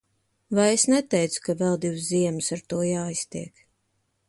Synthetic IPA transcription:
vajesnɛt̪ɛjt̪su̥kavɛlˠd̪ivsziɛmsaɾt̪uɔjaːist̪iɛk

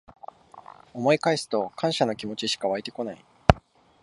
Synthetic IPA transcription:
o̞mo̞ikaisɨ̥t̪o̞kʰãɰ̃ɕano̞kʲimo̞t͡ɕiɕi̥kaβ̞ait̪e̞ko̞nai

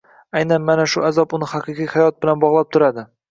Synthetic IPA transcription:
ajnanmanaʃʊʔazɒpʊnɪhɑqʰɨqʰijhajɒt̪̚bɪlanbɒʁlˠap̚t̪ʰʊɾad̪ɪ

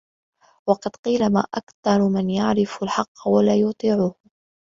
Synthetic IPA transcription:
wɑqɑd̪qiːlama̰ːʔakθɑɾˤmɪnjaʕɾɪfalħɑqːwalaːjʊt̪ˤiːʕʊh

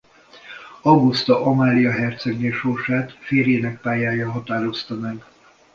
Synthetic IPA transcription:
ɒɡust̪ɒʔomaːlijɒɦɛrt̪søɡneːʃorʃaːt̪feːɾeːnɛk̚paːjaːjɒɦɒt̪aːɾo̞st̪ɒmɛɡ

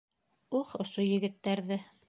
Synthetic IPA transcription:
uχŏʃojɘ̆ɡɘ̆t̪ːæɾðɘ

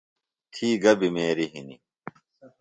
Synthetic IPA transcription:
t̪ʰiːɡɐbimeːɾiɦini

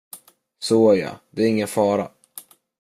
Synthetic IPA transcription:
sojɑ̰d̪ɛɾæɾɪŋːənfɑːɾa̰

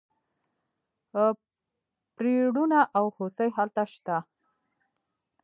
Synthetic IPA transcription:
pɾeɽunaʔawxosəjɦalt̪aʃt̪a

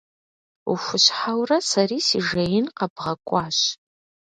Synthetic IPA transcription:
ṵxʷʊɕħawrɐsɐriːsiʒɐjɪnqɐbʁɐkʷʼɑːɕ

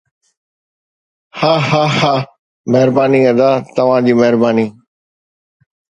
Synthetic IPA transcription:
haːɦaːhaː | mɛɦɾbaːniːɐ̃d̪aːt̪ɐʋ̤ãd͡ʑiːmɛɦɾbaːniː

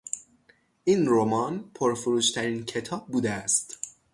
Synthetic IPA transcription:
ʔiːnɾomɒːnpʰoɾfuɾuːʃt̪ʰæɾincʰe̞t̪ʰɒːb̚ːuːd̪eæst̪

